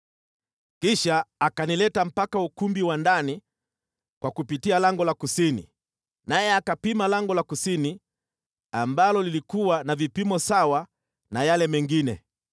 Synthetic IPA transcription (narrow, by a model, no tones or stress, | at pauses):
kiʃaːkanilɛtam̩pakaukumbiwandani | kwakupitialaŋɡɔlakusinḭ | najɛakapimalaŋɡɔlakusini | ambalɔlilikuwanavipimɔsawa | najalɛmɛŋɡinɛ̰